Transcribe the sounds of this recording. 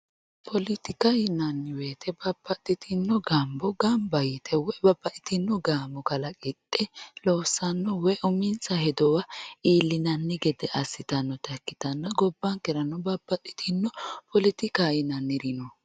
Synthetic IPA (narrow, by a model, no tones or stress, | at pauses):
pʰɔlɪt̪ɪkajɪnɐnːɪweːt̪ʰɛbɐbːɐt̪ʼːɪt̪ʰɪnːɔɡɐmbɔɡɐmbɐjɪt̪ʰɛwɔjbɐbːɐʔɪt̪ɪnːɔɡaːmbɔkɐlɐkʼɪt̪ʼːɛloːsːɐnːɔwɔjʔʊmɪnt͡sɐhɛd̪ɔwɐiːlːɪnɐnːɪɡɛd̪ɛʔɐsːɪt̪ɐnːɔt̪ɐkːɪ̥t̪ɐnːɐɡɔbːɐŋkɛɾɐnːɔbɐbːɐt̪ʼːɪ̥t̪ʰɪnːɔpʰɔlɪt̪ɪkajɪnɐnːɪɾɪnɔ